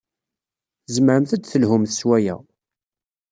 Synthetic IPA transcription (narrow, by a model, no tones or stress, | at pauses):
zməɾəmθæd̪θəlhʊmθəswæjæ̰